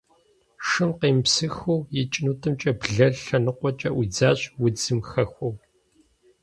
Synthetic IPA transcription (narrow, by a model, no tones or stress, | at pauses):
ʂɨmqeːmpsɨxuwjɛt͡ʃʼnuːtʰɨmt͡ʃʼɐbɮɐɮɬɐnɨqʷɔt͡ʃʼɐʔid͡zaːɕʼwʊd͡zɨmxɐxʷɔw